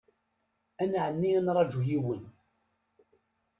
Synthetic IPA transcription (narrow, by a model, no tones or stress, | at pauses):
ænʕənːiænɾˤɑd͡ʒujiwən